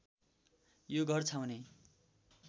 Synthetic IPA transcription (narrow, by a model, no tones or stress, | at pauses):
joɡʱʌrt͡sʰawne